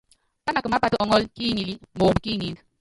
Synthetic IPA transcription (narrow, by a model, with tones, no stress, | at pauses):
pa˦na˨kə˨ma˦pa˨tu˨ʔɔ˨˦ŋɔ˦lki˦ŋi˨li˦mo˨mbki˦ŋi˨nɡ